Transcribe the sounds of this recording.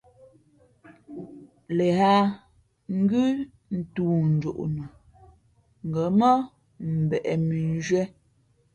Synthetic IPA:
le˨ɦa˦ | ŋ̩˦ɡʉ˦ | n̩˨tuː˨n̩˨d͡ʒo˨ʔnu˨ | ŋ̩˨ɡə˨˦mə˦ | m̩˨bɛ˨ʔɛ˨mi˨n˦d͡ʒɥɛ˦

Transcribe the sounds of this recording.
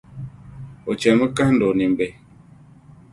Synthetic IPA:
o˨t͡ʃɛ˨mə˦kã˦ndo˨ni˨m˨bɛ˨

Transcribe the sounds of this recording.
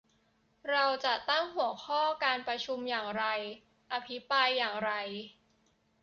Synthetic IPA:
ɾa˧wt͡ɕa˨˩t̪a˥˩ŋhu˨˩˦əkʰɔː˥˩kaː˧npɾa˧t͡ɕʰu˧mjaː˨˩ŋɾa˧j | ʔa˧pʰi˦˥pɾaː˧jːaː˨˩ŋɾa˧j

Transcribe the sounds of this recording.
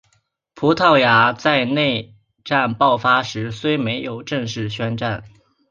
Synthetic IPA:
pʰu˧˥t̪ʰɑ˥˩ʊja˧˥t͡sa˥˧ɪne˥˧ɪ | ʈ͡ʂa˥˧npɑ˥˩ʊfa˥ʂɻ̩˧˥swe˥ɪme˧˥ɪjo˨˩ʊʈ͡ʂɤ˥˧ŋʂɻ̩˥˩ɕɥɛ˥nʈ͡ʂa˥˩n

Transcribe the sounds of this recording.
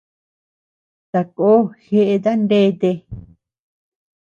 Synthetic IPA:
t̪a˨koː˦xe˦ʔe˧ða˦nde˦˧t̪e˧

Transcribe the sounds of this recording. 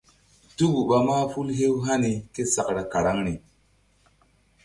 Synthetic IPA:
tu˦bu˨ɓa˧maː˦fu˦lɦe˦wɦa˦ni˧ke˦sa˨kɾa˨ka˨ɾa˦ŋni˨

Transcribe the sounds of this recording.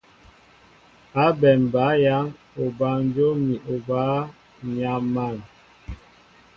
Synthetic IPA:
a˨˦bɛ˨m˨ba˨˦ja˦ŋ | o˨ba˨˦n˦d͡ʒo˦mi˨ʔo˨baː˦ | ɲa˨mːa˦˨n

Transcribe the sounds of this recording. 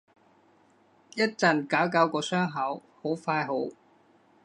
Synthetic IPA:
jɐ˥t̚t͡sɐ˨˩nkaː˨˥wkaː˨˥wkɔː˧sœː˥ŋɦɐ˨˥who˨˥wfaː˧jɦo˨˥w

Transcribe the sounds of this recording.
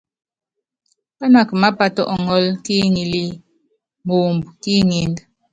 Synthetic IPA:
pa˦na˨kma˦pa˦tɔ̰˦ʔŋɔ˦lki˦ŋi˨li˦ | mo˨mbu˨ki˦ŋi˨n

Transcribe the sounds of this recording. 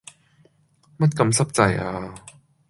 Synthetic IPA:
mɐ˥t̚kɐ˨˧˥msɐ˥p̚t͡sɐ˧jʔaː˧

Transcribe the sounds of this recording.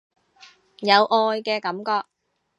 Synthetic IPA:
jɐ˨˧wʔɔː˧jkɛː˧kɐ˨˥mkɔː˧k̚

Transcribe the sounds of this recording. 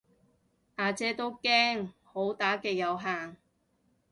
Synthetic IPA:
ʔaː˨˧t͡sɛː˧˥t̪o˥wkɛː˥ŋho˨˥wt̪aː˨˥kɛː˧jɐ˨˧wɦaː˨ŋ

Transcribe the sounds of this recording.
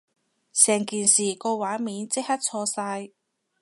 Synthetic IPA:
sɛː˨˩ŋkiː˨˩nsiː˨˩kɔː˧waː˨˥miː˨˥nt͡sɪ˥k̚hɐ˥t̚t͡sʰɔː˧saː˧j

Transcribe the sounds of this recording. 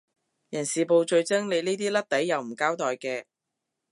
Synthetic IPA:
jɐ˨˩nsiː˨po˧wt͡ʃɵ˧ɥt͡sɪ˥ŋne˨˧jniː˥t̪iː˥lɐ˥t̚t̪ɐ˨˥jːɐ˨wm̩˨˩kaː˥wt̪ɔː˨jkɛː˧

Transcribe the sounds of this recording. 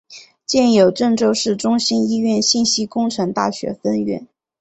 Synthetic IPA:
t͡ɕjɛ˥˩njo˨˩ʊʈ͡ʂɤ˥˧ŋʈ͡ʂo˥˧ʊʂɻ̩˥˩ʈ͡ʂʊ˥ŋɕi˥ni˥ɥɛ˥˧nɕi˥˩nɕi˥kʊ˥ŋʈ͡ʂʰɤ˧˥ŋt̪a̰˥˩ɕɥɛ̰˧˥fə˥nɥɛ̰˥˩n

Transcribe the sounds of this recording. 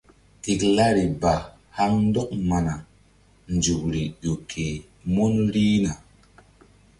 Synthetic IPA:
ti˨kla˦ɾi˨ba˨ | ha˦ŋn˦do˦k̚ma˨na˨ | nd͡ʒu˨kɾi˨ʄo˨kʰe˨ | mo˦nɾi˦na˨

